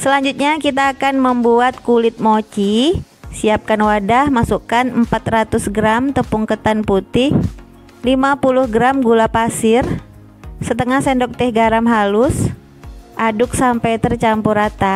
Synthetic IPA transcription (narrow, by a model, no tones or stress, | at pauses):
səlaɲd͡ʒut̪̚ɲakit̪̬aːkanməmbuat̪̚kulɪt̪̚mot͡ʃi | siap̚kanwadahmasukanəmpat̪ɾat̪ʊsɡɾamt̪əpuŋkət̪anput̪ɪh | limapulʊhɡɾamɡulapasɪr | sət̪əŋahsɛndɔk̚t̪ɛhɡaɾamɦalʊs | ʔadʊk̚sampajt̪ərt͡ʃampuɾat̪a